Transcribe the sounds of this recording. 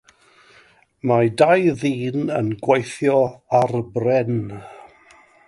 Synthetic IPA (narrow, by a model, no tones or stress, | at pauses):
madajðiːnənɡwejθjɔarbrɛn